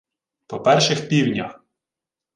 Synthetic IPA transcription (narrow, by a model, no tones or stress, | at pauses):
pɔpɛrʃɪxpʲiwnʲɐ̰x